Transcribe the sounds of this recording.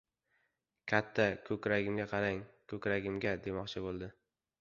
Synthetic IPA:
kʲʰat̪ʰːakʰɵkʲɾaɡʲɪmɡʲaqʰɑɾaŋkʰɵkʲɾaɡʲɪmɡʲad̪e̞mɒqt͡ʃʰɪbolˠd̪ɪ

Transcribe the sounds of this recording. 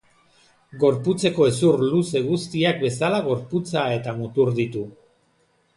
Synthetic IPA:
ɡo̞ɾput͡se̞ko̞e̞suɾluse̞ɣ̞ust̪iak̚be̞salaɣo̞ɾput͡sae̞t̪amut̪uɾðit̪u

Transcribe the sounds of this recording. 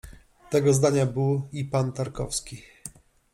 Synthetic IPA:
t̪ɛɡɔzd̪aɲabɘwipant̪aɾkɔfskʲi

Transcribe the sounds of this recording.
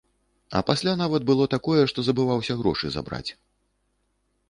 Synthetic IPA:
ɐ̰pasʲlʲanavɐd̪̚bɨlˠɔt̪akɔjɛʂt̪ɔzɐbɨvawsʲɐɣɾɔ̰ʂɨza̰bɾa̰t͡sʲ

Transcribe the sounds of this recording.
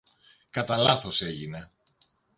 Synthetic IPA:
kɐt̪ɐlɐθo̞se̞ʝine

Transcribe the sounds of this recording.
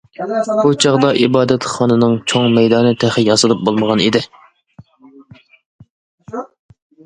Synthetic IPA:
but͡ʃʰɑʁd̪ɑʔibɑːd̪ɛt̪χɑːnɨnɨŋt͡ʃʰoŋmɛjd̪ɑːnɨt̪ʰæχɪjɑsɨlˠɨp̚bolˠməʁɑnid̪ɪ

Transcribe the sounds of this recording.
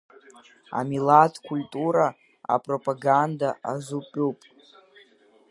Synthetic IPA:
a̰milatʰʼkʰʷultʼuɾa | a̰pʼropʼaɡandaazupʼupʼ

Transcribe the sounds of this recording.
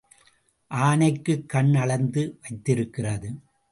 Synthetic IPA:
ʔaːnɐɪkːɯkːɐɳnɐɭɐnd̪ɯʋɐɪt̪ːɪɾɯkːɪrɐðɯ

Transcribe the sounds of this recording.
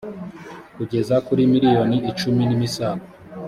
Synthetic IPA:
kuɟe̞zakuɾimiɾijo̞niʔit͡ʃuminimisaːka

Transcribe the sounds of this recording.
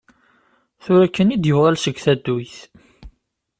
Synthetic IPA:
θʊɾækːənid̪jəvʁælsəɡθæd̪ːujθ

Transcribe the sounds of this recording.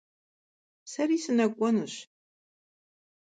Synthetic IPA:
sɐrisɨnɐkʷʼɔnɨɕ

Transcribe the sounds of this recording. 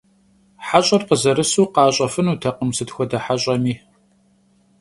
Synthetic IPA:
ħaɕʼɐrqəzɐɾɨsuːqɑːɕʼɐfɨnuːtʰɐqəmsɨtxʷɔdɐħaɕʼɐmiː

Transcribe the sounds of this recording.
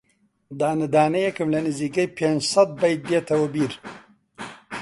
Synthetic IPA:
d̪aːnɨd̪aːnɐjekɨmlɐnɨziːkɐjpʰend͡ʒsɐt̪̚bɐjt̪̚d̪jet̪ʰɐwɐbiɾ

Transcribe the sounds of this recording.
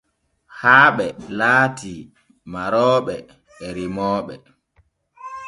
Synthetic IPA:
haːɓɛlaːti | maɾɔːɓɛ̰ | ɛɾimɔːɓɛ

